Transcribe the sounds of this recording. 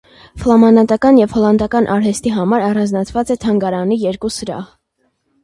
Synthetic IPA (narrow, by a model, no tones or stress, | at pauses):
flɑmɑnɑt̪ɑkɑnjɛvhɔlɑnd̪ɑkɑnʔɑɾhɛst̪iɦɑmɑɾɑrɑnd͡znɑt͡sʰvɑt͡sɛt̪ʰɑŋɡɑɾɑnijɛɾkusəɾɑ̰h